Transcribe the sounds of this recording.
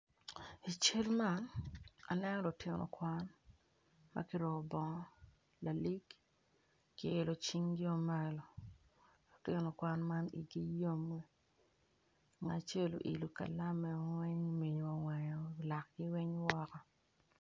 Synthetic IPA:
i˨t͡ʃe˦lma˦na̰˨nɛ˦nɔ˦lo˨tɪ˦nɔ̰˨kwa˦n | ma̰˦kɪ˦ɾɔ˨bɔ˨ŋɔ˦ | la˨li˦ɡː | ɪː˨lo˨t͡ʃi˦ŋɡɪ˦o˦ma˦lo˨ | lo˨tɪ˦nɔ˨kwa˦nma˦nḭ˨ɡi˦jo˦me˦ | ŋa˨t͡ʃe˦lo̰˨ʔḭ˨lu˨ka̰˨la˦mɛ˨˦ŋwɛ˦ɲmi˨ɲo˨ŋwɛ˨ɲɔ˨la˨k̚ɡɪ˦wɛ˦ɲwɔ˦kɔ˦

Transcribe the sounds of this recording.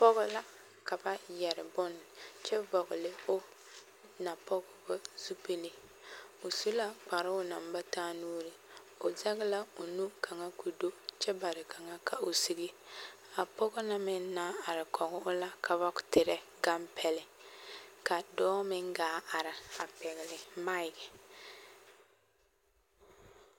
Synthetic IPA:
pɔ˦ɣʊ˦la˦ | ka˨ba˦jɛ˨ɾɪ˨bʊ˦n˨t͡ʃɛ˦bɔ˨ɣʊ˨lɪ˨ʊ˦ | na˨pɔ˦ɡɔ˦bʊ˦z̥u˦pe˦li˦ | ʊ˨su˦la˦k͡pa˨ɾɪ˦ʊ˦na˨mba˦taː˦nuː˦ɾɪ˨ | ʊ˨za˦ɣɪ˦la˦ʊ˨nu˦ka˨ŋa˦ku˨do˦t͡ʃɛ˦ba˨ɾɪ˨ka˨ŋa˦kʰa˨ʔo˨si˨ɡi˦ | a˨pɔ˦ɡɔ˦na˦mɪ˦n˦na˦a˨ɾɪ˨kʰɔ˨ɡʊ˦ʔʊ˦la˦kʰa˨βa˦ktɪ˨ɾɛ˦ | ɡa˦mpʰɛ˦lɪ˦ | ka˨dɔː˦mɪ˦ŋɡaː˨˦a˨ɾɪ˨a˨pɛ˨ɣɪ˨lɪ˨ma˦ɪ˨ɡɛ˨

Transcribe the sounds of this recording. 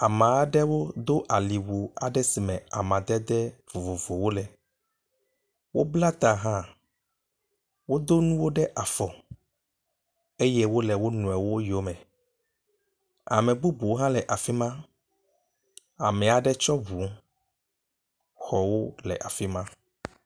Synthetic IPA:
a˨mã˨a˨ɖɛ˦wo˦d̪o˦ʔa˨li˨wu˨a˨ɖɛ˦si˨mɛ̃˨a˨mã˨d̪ɛ˦d̪ɛ˦v̥o˨vo˨vo˨wo˦lɛ˨ | wo˦bla˦t̪a˨ɦã˦ | wo˦d̪o˦nũ˦wo˦ɖɛ˦ʔa˨fɔ˨ | e˦jɛ˦wo˦lɛ˨wo˦nũ˨ɛ˨wo˦jo˦mɛ̃˨ | a̰˨mɛ̃˨bu˦bu˨wo˦ɦã˦lɛ˨ʔa˨fi˦mã˦ | a˨mɛ̃˨a˨ɖɛ˦t͡ʃɔ˦bu˨˦ | xɔ˨wo˦lɛ̰˨ʔa˨fi˦mã˦

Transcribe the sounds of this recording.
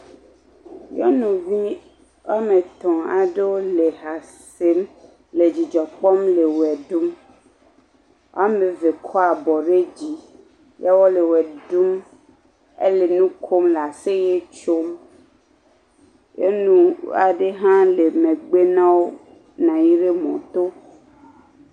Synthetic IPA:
jɔ̰˦nũ˨vi˦ | wa˦me˨t̪ɔ̃˨a̰˨ɖe˦wo˦le˨ɦa˨se˦m | le˨d͡ʑi˨d͡ʒɔ˨k͡pɔ˦mle˨wɛ˨ɖu˦m | wa̰˦mẽ˨ve˨kʰɔ˦a˨bɔ˨ɖe˦d͡ʑi˨ | ja˦wɔ˦le˨wɛ˨ɖu˦m | ḛ˦le˨nũ˦kʰo˦mla˨se˦je˦t͡ʃo˦m | jḛ˦nũ˦a̰˨ɖe˦ɦã˦le˨mẽ˨ɡ͡be˦nã˦wo˦ | nã˨ji˦ɖe˦mɔ̰̃˨t̪o˦

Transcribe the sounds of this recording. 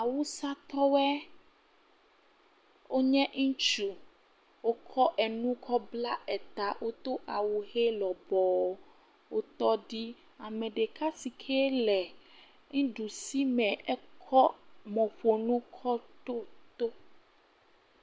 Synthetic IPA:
a˨wu˦sa˦t̪ɔ˦wɛ˦ | wo˦ɲɛ̃˦ŋũ˦t͡ʃu˨ | wo˦kʰɔ˦ʔɛ˨nũ˦kʰɔ˦bla˦ɛ˨t̪a˨wʔo˦t̪o˦ʔa˨wu˨he˦lɔ˨bɔ˨˦ | wo˦t̪ɔ˦ɖi˦ | a˨mɛ̃˨ɖe˨ka˦si˨kʰɛ˦lɛ˨ | ŋĩ˦ɖu˨si˦mɛ̃˨ɛ˦kʰɔ˦mɔ̃˨ɸo˨nũ˦kʰɔ˦t̪o˦t̪o˦

